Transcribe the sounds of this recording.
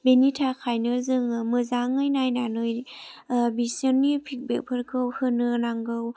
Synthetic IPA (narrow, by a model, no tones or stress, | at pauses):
benitʰakʰajnɯzɯŋmɯzaŋɯjnajnanɯj | bisənːipʰik̚bek̚pʰɯɾkʰɯwhɯnɯnaŋɡɯw